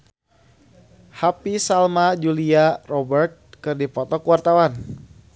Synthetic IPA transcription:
hapisalmad͡ʒuliarɔbɛrt̪̚kɨrdipɔt̪ɔkuwart̪awan

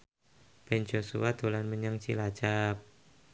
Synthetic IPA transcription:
b̥ɛnd͡ʒosṵwad̪olanməɲaŋt͡ʃilat͡ʃap̚

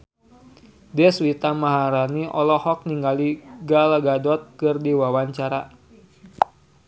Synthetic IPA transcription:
dɛswit̪amaɦaɾaniʔɔlɔhɔk̚niŋɡaliɡalaɡadɔt̪̚kɨrdiwawaɲt͡ʃaɾa

